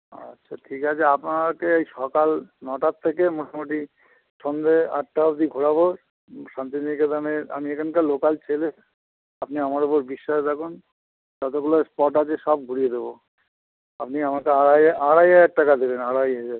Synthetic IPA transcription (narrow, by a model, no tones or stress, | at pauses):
ʌ̰tːʃʰaʈʰikat͡ɕʰeapnakeejʃɔkalnɔʈat̪ʰːekemoʈʰamoʈi | ʃond̪ea̰ʈːaabd̪iɡʱuɽabo | ʃant̪iniket̪anea̰miekʰankalokalt͡ɕʰele | apniamaɾopoɾbiʃːaʃt̪ʰakun | d͡ʒɔt̪okulospɔʈat͡ɕʰeʃɔb̚ɡʱuɽijed̪ebo | apniamakeaaaɽajaɛk̚ʈakad̪ebenaɽajɦed͡ʒa